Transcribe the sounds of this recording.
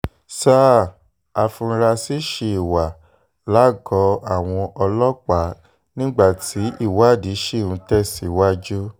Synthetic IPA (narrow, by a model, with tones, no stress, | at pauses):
sa˦˨ | a˨fũ˧ɾa˧si˦ʃe˧˨i˨wa˨ | la˨˦˨ɡɔ˧˦a˦˨w̃ɔ̃˧ʔɔ˧lɔ˦k͡pa˨˦ | nĩ˦ɡ͡ba˦˨tʰi˨˦ʔi˦˨wa˦˨di˨˦ʃe˦˨ũ˧˦tɛ˦˨si˨˦wa˦d͡ʒu˦